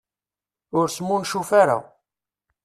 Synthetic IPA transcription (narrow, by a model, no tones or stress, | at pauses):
ʊɾsmːunʃufaɾa̰